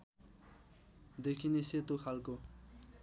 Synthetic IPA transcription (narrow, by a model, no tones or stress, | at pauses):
d̪ekʰineset̪okʰalko